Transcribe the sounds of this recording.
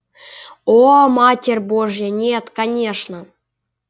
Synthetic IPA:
omatʲerʲboʐjənʲet̪kanʲeʂnə

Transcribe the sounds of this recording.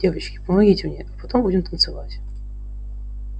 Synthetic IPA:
evət͡ɕkʲɪ̥pəmɐɡʲitʲmnʲeʔɐpɐt̪ombudʲɪmt̪ənt̪sɨvatʲ

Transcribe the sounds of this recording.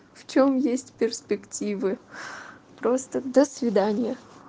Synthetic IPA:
ft͡ɕomjesʲtʲpʲɪrspʲɪktʲivɨ | pɾo̞st̪əd̪əsvʲɪd̪anʲɪjə

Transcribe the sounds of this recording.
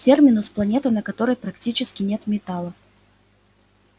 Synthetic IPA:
tʲermʲɪnʊsplˠɐnʲe̞t̪ɨnəkɐt̪o̞ɾəjpɾɐktʲit͡ɕɪskʲɪnʲe̞t̪mʲɪt̪alˠəf

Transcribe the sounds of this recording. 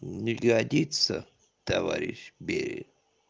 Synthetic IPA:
nʲɪɡɐd̪ʲit̪sə | t̪ɐvaɾʲɪɕbʲeɾʲɪ̰

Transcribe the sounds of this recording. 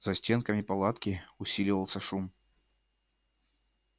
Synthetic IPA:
z̥ɐsʲtʲenkəmʲɪpalˠat̪kʲɪʊsʲilʲɪvəlˠsʲəʂum

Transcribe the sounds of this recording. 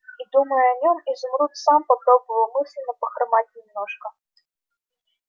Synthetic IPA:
id̪uməjʊɐnʲo̞mizʊmɾut̪sampɐpɾo̞bəvəlˠmɨsʲlʲɪnːəpəxɾmat̚ʲnʲɪmnoʂkə

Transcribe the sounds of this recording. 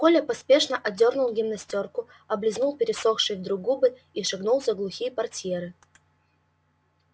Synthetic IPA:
kolʲɐpɐspʲe̞ʂnəʔɐdʲo̞rnʊlˠɡʲɪmnɐsʲtʲorkʊ | ɐblʲɪznulˠpʲɪɾʲɪsoxʂɨjvd̪ɾʊɡubɨ | iʂɨɡnulˠzʲɐɡlˠʊxʲijəpɐrtʲjeɾɨ

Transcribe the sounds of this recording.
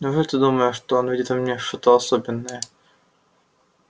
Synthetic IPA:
nɐʐɛt̪ɨd̪uməjʊʂt̪oonvʲidʲɪt̪vɐmnʲeʂt̪ot̪əɐsobʲɪnːəjə

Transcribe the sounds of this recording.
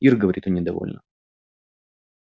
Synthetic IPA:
irɡəvɐɾʲit̪onʲɪd̪ɐvo̰lʲnə̰

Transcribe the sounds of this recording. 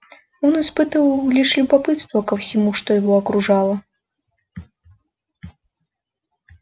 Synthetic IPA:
ɔnispɨt̪ɨvɐwlʲiʂlʲubapɨt̪st̪vɐkɐwsʲimuʂt̪ɔjɪvɔɐkɾuʐalˠɐ

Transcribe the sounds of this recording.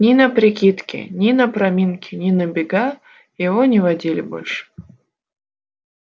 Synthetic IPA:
nʲɪnəpɾʲɪkʲit̪kʲɪ̰nʲɪnəpɾɐmʲinkʲɪnʲɪnəbʲɪɡa | jɪvonʲɪvɐdʲilʲɪ̰bo̞̰lʲʂɨ̥

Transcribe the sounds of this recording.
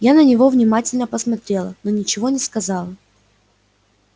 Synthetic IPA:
janənʲɪvo̞vnʲɪmatʲɪlʲnəpəsmɐt̪ɾʲe̞lˠəno̞nʲɪt͡ɕɪvo̞nʲɪskɐzɑlˠə

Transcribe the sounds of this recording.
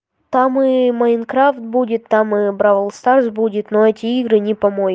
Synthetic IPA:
t̪amɨmɐɪnkɾaft̪̚budʲɪt̪ːamɨbɾavəlˠst̪arsbudʲɪt̪noɛtʲɪiɡɾɨnʲɪpɐmoj

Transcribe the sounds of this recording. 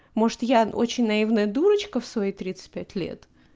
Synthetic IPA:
mo̞ʐɨt̪jao̞̰t͡ɕɪnʲnɐivnəjəd̪uɾət͡ɕkəfsvɐijt̪ɾʲit̪sɨ̥t̚ʲpʲætʲlʲe̞̰t̪

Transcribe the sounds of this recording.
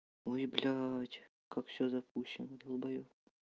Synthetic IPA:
oblʲatʲ | kakfsʲɵzɐpuɕːɪnəɡ̪əlˠbɐjof

